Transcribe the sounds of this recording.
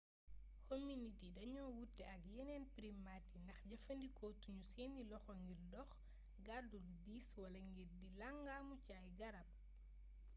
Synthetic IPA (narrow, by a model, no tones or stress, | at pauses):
kominitidɐɲɔːwutːɛɐkjɛnɛːnpɾimatindɐxɟɐfɐndikɔtuɲusɛːnːilɔxɔŋɡirdɔx | ɡaduludiːswɐlɐŋɡirdilaŋɡaːmucaːjɡɐɾɐp̚